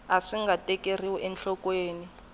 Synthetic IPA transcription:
aʂiŋɡʱatʼɛker̤iwɔʔɛnɬɔkweːni

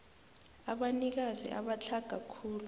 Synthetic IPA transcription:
aɓanik̬azḭʔa̰ɓat͡ɬʰaɡ̥ʱakʰuːlu

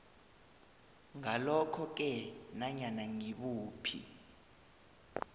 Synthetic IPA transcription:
ŋalɔkʰɔk̬ɛnaɲanaŋiɓuːpʰḭ

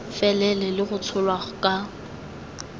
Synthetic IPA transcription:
fɛlɛlɛlɪɣʊt͡sʰʊlwaʊkʼa

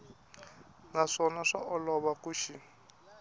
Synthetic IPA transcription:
naʂɔnaʂa̰ʔɔlɔβakuʃi

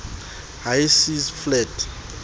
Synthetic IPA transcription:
hajsisflɛt

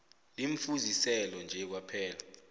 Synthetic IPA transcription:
liɱ̩fuzisɛlɔnd͡ʒʱɛk̬wapʰɛːla

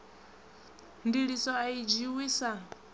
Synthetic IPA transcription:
ndiɺisɔaid͡ʒiwiːsa

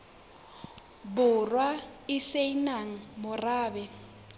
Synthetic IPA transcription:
bʊrwaɪseinaŋ̩mʊraːbɛ

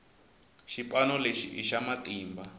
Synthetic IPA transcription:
ʃipʼanɔleʃiʔiʃamatʼiːmba

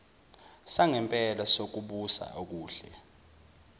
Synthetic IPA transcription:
saŋɛmpʼɛlasok̬uɓusa̰ok̬uːɬɛ

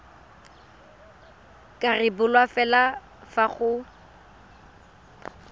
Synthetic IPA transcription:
kʼarɪbʊlwafɛla | faχʊ

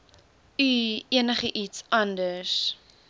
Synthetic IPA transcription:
yiənəχəʔitsɐndəs

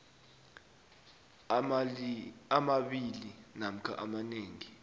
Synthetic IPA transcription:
amaɓilinam̩kʰa̰ʔamaneːŋi

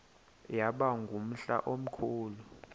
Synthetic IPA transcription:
jaɓaŋɡʱum̩ɬa̰ʔom̩kʰuːlu

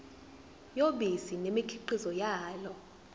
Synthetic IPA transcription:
joɓisinemikʰiǃizɔjaːlɔ

